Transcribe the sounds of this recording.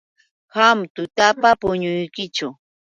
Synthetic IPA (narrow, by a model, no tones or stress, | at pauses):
hamt̪ʊt̪apapʊɲʊjkɪt͡ʃʊ